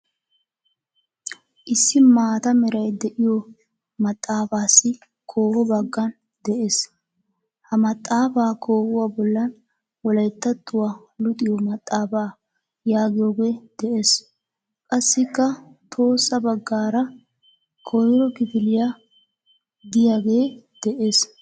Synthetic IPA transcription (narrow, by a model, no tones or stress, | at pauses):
ʔɪsːɪmaːt̪ɐmɛɾɐjd̪ɛʔɪjɔ | mɐt̪ʼːaːfaːsːɪ | kʰoːhɔbɐɡːɐn | d̪̥ɛʔe̞ːs | hɐmɐt̪ʼːaːfaːkʰoːhʊwabɔlːɐn | wɔlɐjt̪ːɐt̪ːʊwa | lʊt̪ʼɪjɔmɐt̪ʼːaːbaː | jaːɡɪjoːɡed̪̥ɛʔe̞ːs | kʼɐsːɪkːɐ | t̪ʰo̞ːsːɐbɐɡːaːɾɐ | kʰɔjɾɔkɪfɪlɪja | d̪ɪjaɡe̞ːd̪̥ɛʔe̞ːs